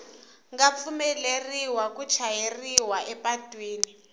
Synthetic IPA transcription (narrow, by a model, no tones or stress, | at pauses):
ŋɡap̪fumɛleriwakut͡ʃʰajeriwaʔɛpatʼwiːni